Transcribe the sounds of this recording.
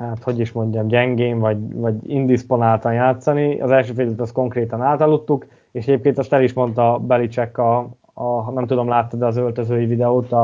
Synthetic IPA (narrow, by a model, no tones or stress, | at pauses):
hat̪ho̞ɟiʃmo̞ɲɟɒmɟɛŋɡeːɱvɒɟvɒɟind̪ispo̞naːlt̪ɒnjaːt̪sɒniɒ̰zɛlʃøːfɛlɛt̪ɒsko̞ŋkreːt̪ɒnaːt̪ɒlːut̪ːuk | eːʃɛɟeːp̚keːnt̪ɛst̪ɛliʃmo̞nt̪ɒbɛlit͡ʃɛkːɒ | nɛmt̪ud̪o̞mlaːt̪ːɛd̪ɛɒzølt̪øzøːjivid̪ɛoːt̪ɒ